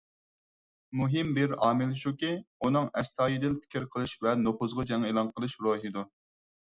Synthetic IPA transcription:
muɦɪmbɪɾɑːmɪlʃukʲiunɨŋɛst̪ʰɑːjid̪ɪlpʰɪ̥kʲiɾqʰəlˠɨʃvɛnoχʊzʁɑd͡ʒɛŋelˠɑnqʰəlˠɨʃɾoɦid̪u

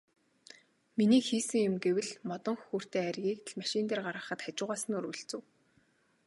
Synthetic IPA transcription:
miniːxiːsɘ̆ŋjʊmɡewɘ̆ɮmɔt̪ɞ̆ŋxxur̥t̪eːærɣʲiːk̚t̪̆ɮmaʃɪnt̪eːrɢaɾʁə̆χə̆t̪χat͡ɕʊːʁaːsə̆nuɾɵɮt͡sɘ̆w

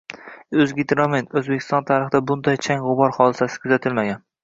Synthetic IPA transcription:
ɵzɡʲɪt̪ɾɒmenɵzbekʲʰːɪst̪ɒnt̪ʰaɾɪχd̪abʊnd̪ajt͡ʃʰaŋʁʊbɒɾχɒd̪ɪsasɪ̥kʰʊzat̪ʰɪlmaɡʲan

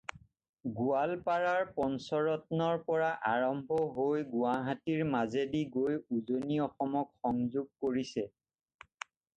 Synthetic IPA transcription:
ɡʊalpaɹaɹpɔnsɔɹɔtnɔɹpɔɹaʔaɹɔmbʱɔɦojɡʊaɦatiɹmazediɡojuzoniɔxɔmɔkxɔŋzuɡ̚koɹisɛ

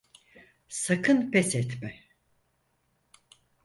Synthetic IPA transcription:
sakʰɯnpʰɛsɛt̪mɛ

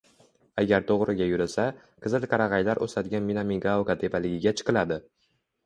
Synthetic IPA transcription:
aɡʲaɾt̪ʰoʁɾɪɡʲajʊɾɪsa | qʰɨzɪlˠkʰɑɾɑʁɑjlaɾʔo̰sad̪ɪɡʲanminamiɡawkat̪ʰe̞palɪɡʲɪɡʲat͡ʃʰɨ̥qɨlad̪ɪ

